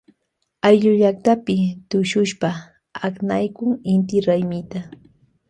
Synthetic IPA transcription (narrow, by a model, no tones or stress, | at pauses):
ajʎʊʎak̚t̪apɪt̪ʊʃʊʃpa | aknajkʊŋɪnt̪ɪɾajmɪt̪a